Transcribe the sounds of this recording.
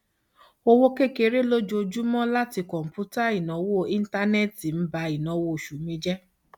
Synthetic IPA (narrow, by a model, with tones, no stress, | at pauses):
o˧wo˦ke˦˨ke˧ɾe˦lo˦d͡ʒo˧d͡ʒu˦mɔ̃˦la˦ti˧kɔ̃˨m̩˨pu˦ta˦i˨nɔ̃˨˦wo˦ĩ˦n̩˦ta˦nɛ˦˨ti˨m̩˦ba˧i˨nɔ̃˨˦wo˦˨ʃu˨mĩ˧˦d͡ʒɛ˦